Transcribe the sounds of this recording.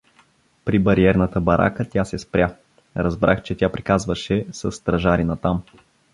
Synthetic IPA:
pɾibɐɾiɛɾnət̪əbɐɾʔa̰kət̪ʲjasɛspɾʲja | ɾɐzbɾʔa̰xt͡ʃɛt̪ʲjapɾikazvəʃɛsɐsːt̪ɾɐʒaɾinɐt̪am

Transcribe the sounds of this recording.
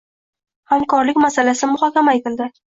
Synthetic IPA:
hamkɒɾlɪkʲmasalasɪmʊχɒkʲamaet̪ɪld̪ɪ

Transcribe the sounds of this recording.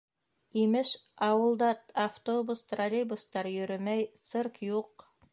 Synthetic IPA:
imɘʃɑwɤ̆lˠd̪ɑt̪ɐft̪obust̪rɐɾʲejbust̪ɑɾjɵ̆ɾɵmæjt̪sɘrkjuq

